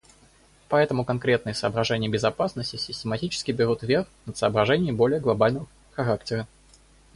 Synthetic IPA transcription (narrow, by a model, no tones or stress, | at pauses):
pɐɛt̪əmʊkɐnkɾʲe̞t̪nɨjəsəːbɾɐʐɛnʲɪjəbʲɪzɐpasnəsʲtʲɪsʲɪsʲtʲɪmɐtʲit͡ɕɪ̥skʲɪbʲɪɾut̪vʲerxnət̪səːbɾɐʐɛnʲɪjəmbo̞lʲɪjəɡlˠɐbalʲnəvə | xɐɾaktʲɪɾə